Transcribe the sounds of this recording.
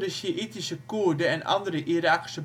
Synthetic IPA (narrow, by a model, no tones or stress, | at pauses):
rəʃiʔitisəkurdəɛnʔɑ̰ndəɾəʔiɾaːki̥sə